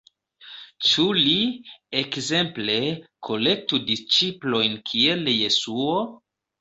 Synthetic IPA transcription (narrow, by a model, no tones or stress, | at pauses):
t͡ʃuliekze̞mple̞kʰo̞le̞k̚tudist͡ʃiplo̞jnkʰielje̞suo